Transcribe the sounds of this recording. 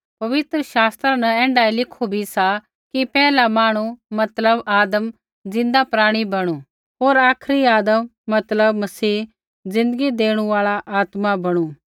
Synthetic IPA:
pɐʋɪt̪ɾəʃaːst̪ɾənɐɛ̃ːɳɖailɪkʰubʱisa | kipɛːlamaːɽ̃umɐt̪ləbaːd̪əm | d͡zɪ̃nd̪apɾaːɽ̃ibɐɽ̃u | ɦoːɾaːkʰɾiaːd̪əmːɐt̪ləb̚mɐsiː | d͡zɪ̃nd̪əɡid̪eːɽ̃ũaːɭaʔaːt̪mabɐɽ̃ũː

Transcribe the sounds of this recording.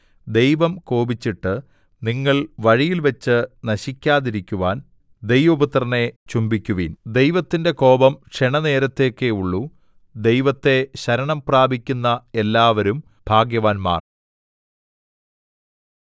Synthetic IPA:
d̪e̞jʋɐmko̞ːbit͡ɕːiʈːɨ | niŋːɐɭʋɐɻijilʋɐt͡ɕːɨnɐɕikʲːaːðiɾikʲːuʋaːn | d̪e̞jʋɐbut̪rɐne̞t͡ɕumbikʲːuʋḭːnd̪e̞jʋɐt̪ːinde̞ko̞ːbɐmkʂeɳɐne̞ːɾɐt̪ːe̞kːeuɭːu | d̪e̞jʋɐt̪ːe̞ɕɐɾɐɳɐmpraːbʱikʲːunːɐe̞lːaːʋɐɾum | b̥ʱaːɡjɐʋaːnma̰ːr

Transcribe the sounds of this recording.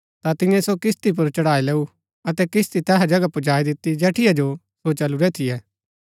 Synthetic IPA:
t̪at̪ɪ̃jɛ̃sokɪst̪ip̬ʊɾt͡ʃɐɽaːileːu | ɐt̪ɛkɪst̪it̪ɛːɦad͡ʒɐɡapʊd͡ʒaːid̪ɪt̪ːid͡ʒɛːʈʰɪjad͡ʒo | sot͡ʃɐluɾɛt̪ʰɪjɛː

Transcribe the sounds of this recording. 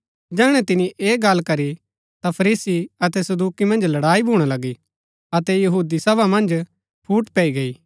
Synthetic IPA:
d͡ʒɛːɽ̃ɛ̃t̪ɪniʔeːɡɐlkɐɾi | t̪apʰɐɾiːsiɐt̪ɛsɐd̪uːkimɐ̃nd͡ʒlɐɽaːibʱuːɽ̃alɐɡi | ɐt̪ɛjɐɦuːd̪isɐβamɐ̃nd͡ʒ | pʰuːʈpɛiɡɐiː

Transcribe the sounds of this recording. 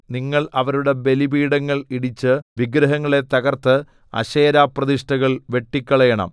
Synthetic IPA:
niŋːɐɭɐʋɐɾuɽe̞be̞libiːɽɐŋːɐɭiɽit͡ɕːɨʋiɡɾɐɦɐŋːɐɭe̞t̪ɐɣɐrt̪ɨ | ɐ̰ɕeːɾaːprɐd̪iʂʈɐɣɐɭʋe̞ʈːikʲːɐɭɐjɐɳɐ̰m

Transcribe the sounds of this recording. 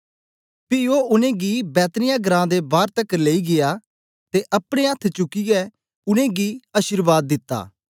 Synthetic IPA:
pɪoːʊnẽːɡibɛːt̪nɪjãːɡəɾãːd̪ebaːɾt̪əkleːiɡɪjaː | t̪eʔɐpɽ̃ẽət̪ʰt͡ʃʊkːiɡɛ | ʊnẽːɡiːɐʃɪɾbaːd̪ːɪt̪ːa̰ː

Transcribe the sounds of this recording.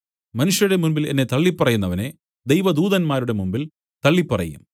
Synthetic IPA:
mɐnuʂjɐɾɽe̞munbilenːe̞t̪ɐɭːipːɐrɐjunːɐʋɐne̞ | d̪ejʋɐd̪uːðɐnmaːɾuɽe̞mumbil | t̪ɐɭːipːɐrɐ̰jṵm

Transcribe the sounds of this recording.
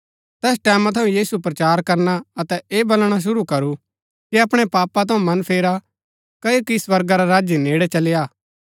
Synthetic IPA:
t̪ɛːs̬ʈɛːmãt̪ʰɐũjiːsupɾɐt͡ʃaːɾkɐɾnaɐt̪ɛeːbɐlɽ̃aʃ̬ʊɾukɐɾu | kiɐpɽ̃epaːpːat̪ʰɐ̃ũmɐnpʰeːɾa | kɐjokiswɐɾɡaɾaɾaːd͡ʒjineːɽɛt͡ʃɐlɪjaː

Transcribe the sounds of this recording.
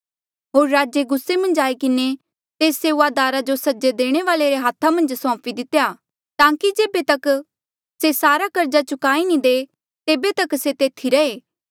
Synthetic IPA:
ɦoːɾːaːd͡ʒeɡʊsːemɐ̃nd͡ʒaːikɪne | t̪eːsːeːuaːd̪aːɾad͡ʒosɐd͡ʒed̪eːɽ̃eʋaːleɾeɦaːt̪ʰːamɐ̃nd͡ʒsɔ̃ːpid̪ɪt̪ːejaː | t̪ãːkid͡ʒeːbet̪ɐk | sesaːɾakɐɾd͡ʒat͡ʃʊkaːinĩd̪eː | t̪eːbet̪ɐkset̪eːt̪ʰiɾɐeː

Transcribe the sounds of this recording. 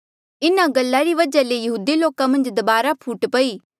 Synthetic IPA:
ɪnaɡɐlːaɾiʋɐd͡ʒalejɐɦuːd̪iloːkamɐ̃nd͡ʒd̪ɐbaːɾapʰuːʈpɐiː

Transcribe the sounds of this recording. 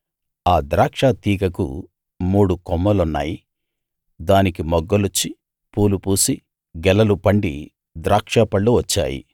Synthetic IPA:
aːd̪ɾaːkʂaːt̪iːkɐkṵ | muːɽukɔmːɐlunːa̰ːji | d̪aːnikimɔɡːɐlut͡ʃːi | puːlupuːsi | ɡɛlɐlupɐɳɖi | d̪ɾaːkʂaːpɐɭːuʋɐt͡ʃːa̰ːjḭ

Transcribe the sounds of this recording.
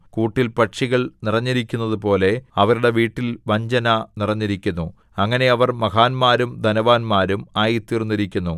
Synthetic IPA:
kuːʈːilpɐʈʂiɣɐɭnirɐɲːiɾikʲːunːɐðupo̞ːle̞ɐʋɐɾuɽe̞ʋiːʈːilʋɐɲd͡ʑɐnɐnirɐɲːiɾikʲːunːu | ɐŋːɐne̞ɐʋɐrmɐɣaːnmaːɾumd̪ʱɐnɐʋaːnmaːɾumaːjit̪ːiːrnːiɾikʲːunːu

